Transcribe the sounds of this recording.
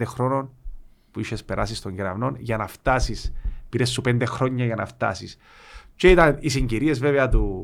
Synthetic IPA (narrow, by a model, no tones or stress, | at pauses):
d̪exɾo̞no̞npuiʃe̞spe̞ɾɐsist̪o̞ɲɡeɾɐvno̞nʝɐnɐft̪ɐsispiɾesːupe̞nd̪exɾo̞ɲːɐʝɐnɐ̰ft̪ɐ̰sis | ceit̪ɐnisiɲɟiɾie̞zveveɐt̪u